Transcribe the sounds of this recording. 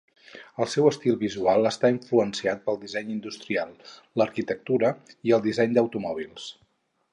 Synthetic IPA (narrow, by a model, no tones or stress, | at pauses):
əlˠsɛwəst̪ilˠβizualˠəst̪aiɱfluənsiat̪̚pəlˠd̪izɛɲind̪ust̪ɾialˠlːəɾkit̪ək̚t̪uɾəiəlˠd̪izɛɲd̪əwt̪umɔβ̞ilˠs